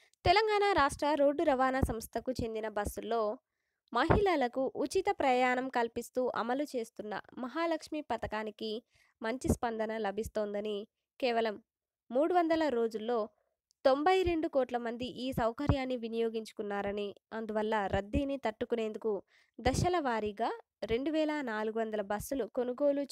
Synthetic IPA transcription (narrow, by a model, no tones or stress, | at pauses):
t̪ɛlɐŋɡaːnaːɾaːʂʈɾɐɾo̞ːɖːuɾɐʋaːnasɐmst̪ʰɐkut͡ʃe̞nd̪inɐbɐsːulːo̞ː | mɐɦilɐlɐkuʔut͡ʃit̪ɐpɾɐjaːnɐmkɐlpist̪uːʔɐ̰mɐlut͡ʃe̞ːst̪unːɐ̰mɐɦaːlɐkʂmipɐt̪ɐkaːniki | mɐɲt͡ʃispɐnd̪ɐnɐlɐbʱist̪oːnd̪ɐni | kɛːʋɐlɐmː | uːɽuʋɐnd̪ɐlɐɾo̞ːd͡ʒulːo̞ː | t̪o̞mbɐjɾe̞ɳɖukoːʈlɐmɐnd̪iʔiːsɐwkɐɾjaːnːiʋinijoːɡiɲt͡ʃu̥kunːaːɾɐniɐnd̪uʋɐlːɐɾʔɐd̪ːiːnit̪ɐʈːukune̞ːnd̪uku | d̪ɐʃɐlɐʋaːɾiɡaː | ɾe̞ɳɖuʋɛːlanaːluɡuʋɐnd̪ɐlɐbɐsːuluko̞nuɡo̞ːlu